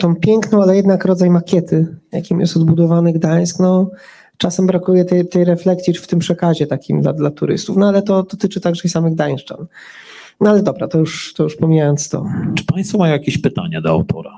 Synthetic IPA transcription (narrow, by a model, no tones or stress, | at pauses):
t̪ɔ̃w̃pʲjɛŋknɔ̃w̃alɛjɛd̪nakɾɔd̪zajmakʲɛt̪ʰɘja̰kʲimjɛ̰st̪ɔd̪bud̪ɔvanɘɡd̪aj̃sknɔ | t͡ʂasɛmbɾakujɛt̪ɛt̪ɛjɾɛflɛksʲjift̪ɘmpʂɛkaʑɛt̪akʲimd̪la̰d̪lat̪uɾɘ̰st̪ufnɔalɛt̪ɔd̪ɔt̪ɘt͡ʂɘt̪aɡʐɛsamɘɣd̪aɲ̃ʂt͡ʂa̰n | nɔalɛd̪ɔbɾa̰t̪ɔjuʂt̪ɔjuʂpɔmʲijajɔnt̪st̪ɔ̰t͡ʂɘ̥paj̃st̪fɔmajɔ̃jakʲeɕpɘt̪a̰ɲad̪ɔa̰wt̪ɔ̰ɾa